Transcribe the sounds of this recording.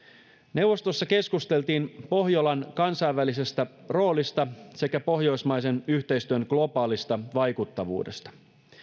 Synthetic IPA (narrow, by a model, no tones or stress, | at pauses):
ne̞uwʋːo̞st̪o̞sːɑke̞skust̪e̞lt̪iːnpo̞ɦjolɑnkɑnsɑiʋːælise̞st̪æro̞ːlist̪ɑse̞kæpo̞ɦjo̞jsmɑjse̞nyçt̪e̞jst̪yønɡ̥lo̞pɑːlist̪ɑʋɑjkut̪ːɑʋṵːde̞st̪ɑ̥